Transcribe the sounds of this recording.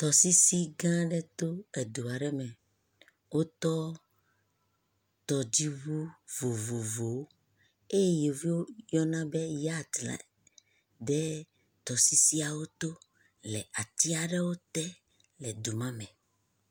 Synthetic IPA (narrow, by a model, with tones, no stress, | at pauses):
t̪ɔ˨si˦si˦ɡã˦ɖɛ˦t̪o˦e˨d̪u˨a˨ɖɛ˦mɛ̃˨ | wo˦t̪ɔ˦ | t̪ɔ˨d͡ʑi˦vu˦vo˨vo˨vo˨˦ | e˦je˦je˨vi˦wo˦jɔ˦nã˦bɛ˦ja˦d̪la̰˨ | ɖɛ˦ | t̪ɔ˨si˦si˦a˨wo˦t̪o˦ | lɛ˨a˨t̪i˦a˨ɖɛ˦wo˦t̪ɛ˦ | lɛ˨d̪u˨mã˦mɛ̃˨